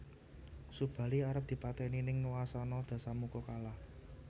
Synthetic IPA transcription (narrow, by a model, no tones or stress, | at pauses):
sub̥ä̤liaɾəp̚d̪̥i̤pat̪ɛninɪŋwasanɔd̪̥ä̤samukɔkalah